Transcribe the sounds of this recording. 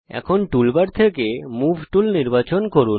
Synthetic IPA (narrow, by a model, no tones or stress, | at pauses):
ɛ̰kʰonʈulbaɾt̪ʰekemubʱʈulniɾbat͡ɕonkoɾu